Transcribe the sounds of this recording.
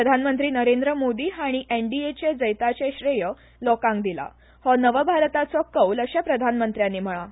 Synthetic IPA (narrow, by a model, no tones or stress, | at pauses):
əd̪ʱanmənt̪ɾiːnəɾend̪ɾəmod̪iːɦaɽ̃iʔeɳɖiet͡ɕed͡zəjt̪at͡ɕeɕɾejə | lɔkãŋɡ̚d̪ila̰ | hɔnəʋəbʱaɾt̪at͡sɔkəwləɕapɾəd̪ʱanmənt̪ɾjãnːiːm̤əɭa